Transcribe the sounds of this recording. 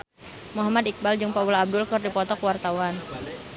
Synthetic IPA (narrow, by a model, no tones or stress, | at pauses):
muɦamad̪ik̚bald͡ʒɨŋpawulaːb̚dʊlkɨrdipɔt̪ɔkwart̪awan